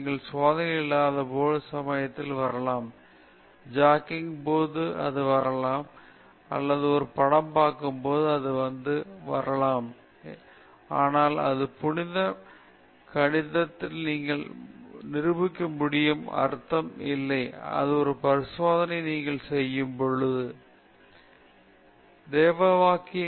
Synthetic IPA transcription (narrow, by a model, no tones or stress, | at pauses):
niːŋɡɐɭsʋaːðɐɐɪlːaːðɐpoːlɐsɐmɐjɐt̪ːɪlʋɐɾɐlaːm | d͡ʒaːkːɪŋpoːðɯɐ̰ðɯʋɐɾɐlaːm | ɐ̰lːɐðɯɔɾɯpɐɽɐmpaːkːɯmpoːðɯɐðɯʋɐnd̪ɯʋɐɾɐlaːm | aːnaːlɐ̰ðɯpʊɳɪðɐ | kɐɳɪðɐt̪ːɪlniːŋɡɐɭnɪɾɯbɯkːɯmːʊɽɪjɯmɐ̰ɾɯt̪ːɐmɪlːɐɪɐ̰ðɯɔɾɯpɐɾɪsʋoːðɐnɐɪniːŋɡɐɭsɛjːɯmpɔɻɯðɯ | d̪eːʋɐʋaːkɪ